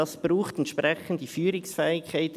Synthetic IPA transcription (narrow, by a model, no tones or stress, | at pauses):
ɑsb̥ɾuːχtɛntʃpɾɛxən̩t̚d̥ifyːɾɪksfɛːɪkkʰːaɪt